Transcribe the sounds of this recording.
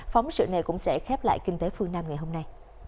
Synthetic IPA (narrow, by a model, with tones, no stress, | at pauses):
fɔ˨˦wŋ͡msɨ̰˧˨na˨˩jkʊ̰˧˥ŋ͡msɛ̰˧˥xɛ˦˥p̚la̰ː˧˨jkï˧ŋt̪e˨˦fɨ˧əŋnaː˧mŋa˨˩jɦo˧mna˧j